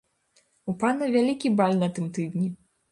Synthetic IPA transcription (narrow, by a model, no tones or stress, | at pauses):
upanɐvʲalʲikʲibalʲnɐt̪ɨmt̪ɨd̪nʲi